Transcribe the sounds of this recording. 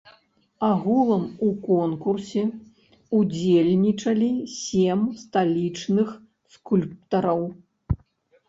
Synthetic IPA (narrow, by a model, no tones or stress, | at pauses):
aɣulˠɐmukɔnkursʲɛ | ud͡zʲelʲnʲit͡ʂɐlʲisʲemst̪alʲit͡ʂnɨx | skulʲp̚t̪ɐɾɐw